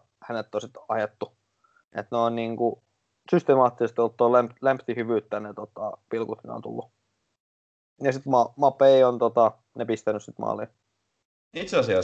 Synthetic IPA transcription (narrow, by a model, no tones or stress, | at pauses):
hænet̪ːosit̪ɑjet̪ːu | ḛt̪neonniːŋku | syst̪emɑːt̪ːisest̪iot̪ːoːlæmplæmpt̪ihyʋyːt̪ːænet̪ot̪ɑpilkut̪nḛo̰nt̪ṵlːu | jɑsit̪mɑmɑpːˑeiont̪ot̪ɑ | nepist̪ænyssit̪mɑ̰ːliː | it̪seɑsiɑ